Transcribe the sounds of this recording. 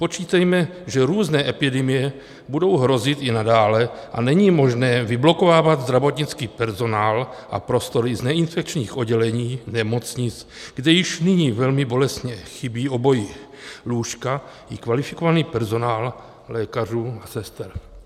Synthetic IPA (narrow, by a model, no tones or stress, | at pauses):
po̞t͡ʃiːt̪ɛjmɛʒɛɾuːznɛːʔɛpɪdɛmɪjɛ | budo̞wɦɾo̞zɪt̪ɪnadaːlɛʔa̰nɛɲiːmo̞ʒnɛːvɪblo̞ko̞vaːvad̪zd̪ɾavo̞t̪ɲɪt͡skiːpɛɾzo̞naːlʔa̰pɾo̞st̪o̞ɾɪznɛɪnfɛk̚t͡ʃɲiːxʔo̞d̚ɟɛlɛɲiːnɛmo̞t͡sɲɪt͡sɡ̥dɛjɪʃnɪɲiːvɛlmɪbo̞lɛst̪ɲɛxɪbiːʔo̞bo̞jɪ | luːʃka | ɪkvalɪfɪ̥kovaniːpɛɾzo̞naːl | lɛːkar̝uːasɛst̪ɛɾ